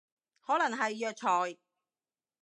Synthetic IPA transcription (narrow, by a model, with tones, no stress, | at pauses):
hɔː˨˥lɐ˨˩ŋɦɐ˨jːœː˨˧k̚t͡ʃʰɔː˨˩j